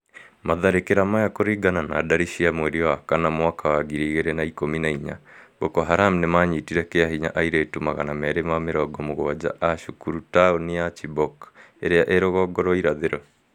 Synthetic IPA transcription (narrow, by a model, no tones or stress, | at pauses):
maðaɾekeɾamajakoɾiːɡanana̰ːdaɾiʃiamweɾiwakanamwakʰawaɡiɾiːɣeɾenaikominaiɲa̰bokɔɦaɾamnemaɲiːtiɾɛkeahiɲa̰ʔaiɾetumaɣanamɛɾemameɾɔɡɔmoɣwad͡ʑa̰ʔaʃukuɾutaonijat͡ʃibɔk | eɾeaʔeɾoɣɔɡɔɾɔiɾaðeɾɔ